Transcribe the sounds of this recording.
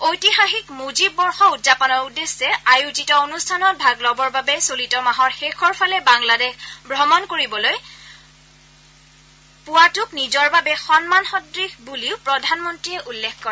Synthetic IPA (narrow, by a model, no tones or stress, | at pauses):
ojtixaxikmozibːɔɹxɔutzapɔnɔɹudesɛajuzitɔonustʰanɔt̚bʱaɡlɔbɔɹbabɛsolitɔmaɦɔɹxekʰɔɹpʰalɛbaŋladɛxbʱɹɔmɔnkoɹibɔloj | pʊwatʊknizɔɹbabɛxɔnmanxɔdɹixbuliʊpɹɔdʱanmɔntɹiɛʔulːekʰkɔɹɛ